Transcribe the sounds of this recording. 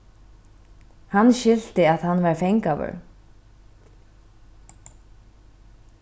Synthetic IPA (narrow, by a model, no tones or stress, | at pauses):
hanːʃʏlt̪ɪaðhanːvaɾfejŋkavœ̰ɹ